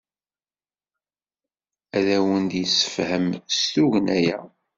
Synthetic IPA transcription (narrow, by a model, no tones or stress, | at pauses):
æðæwənd̪jəsə̥fhəmst̪uʝənæjæ